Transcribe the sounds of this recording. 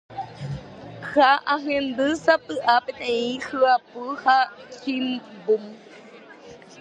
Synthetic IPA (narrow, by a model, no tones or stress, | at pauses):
kʰaʔaɦɯ̃end̪ɨsapɨʔapeneihɯapuhakʰimbum